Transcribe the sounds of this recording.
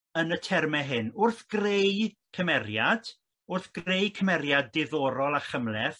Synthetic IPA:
ənətʰɛrmɛɦɨnʊrθɡ̥rej | kʰəmɛrjad̥ | ʊrθɡ̥rejkʰəmɛɾjadːɪðɔːɾɔlˠaχəmlɛθ

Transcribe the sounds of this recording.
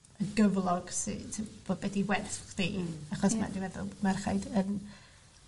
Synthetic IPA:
əɡəvlˠɔɡ̥sɨ̰tʰipb̥oːd̚bɛdiwɛrθχdiaχɔsma̰diwɛðʊ̰mɛrχa̰jdən

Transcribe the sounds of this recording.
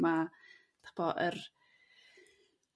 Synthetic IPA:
ma | tʰḁpɔʔər

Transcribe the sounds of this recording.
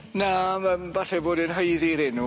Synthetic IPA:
naəmvaɬɛboːdɨnɦəjðiɾɪnu

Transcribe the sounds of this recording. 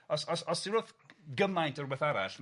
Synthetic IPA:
ɔsɔsɔssiroθɡəmajntʰɔrwɛθaɾa̰ɬ

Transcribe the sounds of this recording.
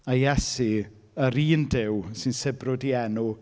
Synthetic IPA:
ajɛsi | əɾiːndɪwsɨnsɪbrʊdiɛnu

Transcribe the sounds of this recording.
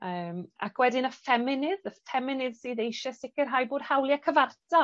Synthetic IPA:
əːma̰kʰwɛdɪnəfɛmɪnɪðəfɛmɪnɪðsiðejʃasɪkɪrɦajbʊːd̥hawlˠjakʰəvartʰa

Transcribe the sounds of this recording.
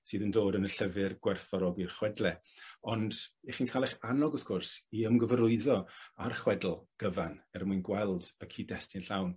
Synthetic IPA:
sɨːðəndoːdənəɬəvɨrɡwɛrθɔɾɔɡirχwɛdlˠɛɔndiχinkʰaːlˠɛχanɔɡɔskʊrsiəmɡəvəɾʊɨðɔarχwɛdl̩ˠɡ̥əvanɛrmuɨnɡwɛlˠdəkʰiːdɛstɪnɬawn

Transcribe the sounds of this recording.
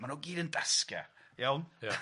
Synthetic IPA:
manoɡiːdəndaskjɛ̰jawnj

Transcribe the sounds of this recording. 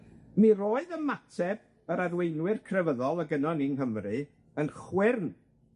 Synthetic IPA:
miroːɨðəmatʰɛb̥ | əɾarwejnwɪrkʰrɛvəðɔlˠəɡənɔninɦəmrɨ | ənχwɪrn

